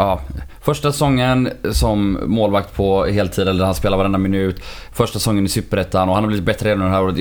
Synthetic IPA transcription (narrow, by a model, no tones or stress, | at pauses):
ɑːfœʂʈasɛsɔŋːənsɔmːoːlvak̚t̪pʰɔhɦeːlt̪ʰiːd̪ɛlːəd̪ɾhanspeːlaɾvaɾɛnd̪amɪnʉ̟ːt̪ | fœʂʈassɔŋːənɪsʏpːəɾɛt̪ʰːanɔhanhabliːvɪt̪bɛt̪ɾəɾeːd̪nd̪ɦæːɾoːɾət̪